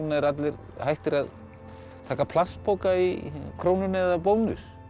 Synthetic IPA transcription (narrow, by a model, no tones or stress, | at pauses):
naɛɾat̪lɛɾ | hajht̪ɪɾað | t̪ʰaːkapʰlast̪pʰoːwkaikʰɾoːwnʏnɛðapoːwnʏ̰s